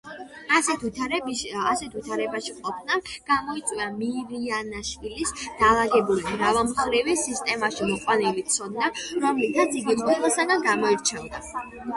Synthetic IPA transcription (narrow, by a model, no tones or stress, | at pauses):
asɛ | asɛt̪ʰit̪ʰaɾɛbaʃiqʼɔpʰnaɡ̥amɔit̪sʼwiamiɾianaʃvilisd̪̥alˠaɡɛbulibɾavamχɾivisist̪ʼɛmaʃimɔqʼwanɛlit̪ʰsʰɔd̪naɾɔmlit̪ʰat̪sʰiɡiqʼwɛlˠasaɡanɡamɔiɾt͡ʃʰɛvd̪a